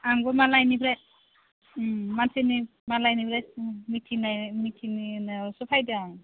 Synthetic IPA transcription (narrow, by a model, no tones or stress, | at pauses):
aŋbɔmalajnibʰɾas | mantʰenimalajnibɾasmitʰinamitʰininɯsɔpʰajdaŋ